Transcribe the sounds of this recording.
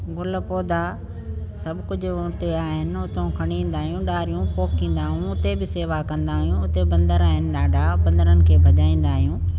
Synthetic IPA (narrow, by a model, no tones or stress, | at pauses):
ɡʊl̆poːd̪a | sɐbʱkʊd͡ʑʱʊʊt̪eaːɦɪnɪ̆ʊt̪õkʰɐɽ̃ĩːn̆d̪aːɦijũɗaːɾijũpoːkʰĩːn̆d̪aːɦijũʊt̪ebɪseːʋakɐ̃nd̪aːɦijũʊt̪ebɐ̃nd̪əɾaːɦɪnɪ̆ɗaːɖʱapɐ̃nd̪əɾənɪ̆kʰeːbʱɐʄaːĩːn̆d̪aːɦijũː